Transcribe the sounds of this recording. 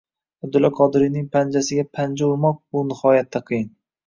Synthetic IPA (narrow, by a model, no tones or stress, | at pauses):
abd̪ʊlːaqʰɒd̪ɪɾinɪŋpʰand͡ʒasɪɡʲapʰand͡ʒauɾmɒq̚bʊnɪhɒjat̪ʰːaqʰɨjɪn